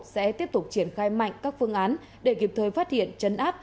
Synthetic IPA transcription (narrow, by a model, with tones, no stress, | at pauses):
sɛ̰˧˥t̪i˦˥əp̚t̪ʊ˨˩k͡p̚t͡ɕi˧˩ənxaː˧jma̰˧˨jŋ̟kaː˦˥k̚fɨ˧əŋʔaː˨˦n | ɗe˧˩ki˨˩p̚t̪ʰəː˨˩jfaː˦˥t̚hḭ˧˨ənt͡ɕə˨˧nʔaː˦˥p̚